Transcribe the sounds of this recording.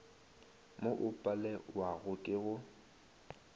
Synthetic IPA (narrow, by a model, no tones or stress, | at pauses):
moʔʊpʼalɛwaɣʊkʼɪɣʊ